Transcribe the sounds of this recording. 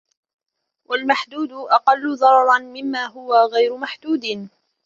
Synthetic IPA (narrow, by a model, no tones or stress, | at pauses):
wʔalmaħd̪uːd̪ʊʔɑqɑlːʊðˤɑɾˤɑɾˤɑnmɪmːaːɦʊwaɣajɾʊmaħd̪uːd̪ɪ